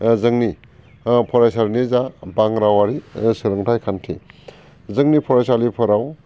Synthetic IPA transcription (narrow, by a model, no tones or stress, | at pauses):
zɯŋni | pʰɔɾajsaɾnizabaŋɾawaɾisɯɾɯŋtʰajkʰantʰi | zɯŋnipʰɔɾajsalipʰɯɾaw